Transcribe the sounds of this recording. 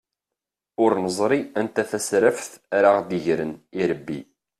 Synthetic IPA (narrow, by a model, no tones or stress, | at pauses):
ʊɾnəzˤɾˤiænt̪æθæsɾəfθɾaʁd̪iʝɾəniɾəbːḭ